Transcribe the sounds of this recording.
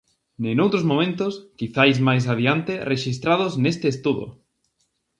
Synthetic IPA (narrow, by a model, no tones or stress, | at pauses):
nẽnowt̪ɾozmõmẽnt̪ʊskiθajzmajs̬aðiant̪ereʃis̬t̪ɾaðoznest̪eːst̪uðo̰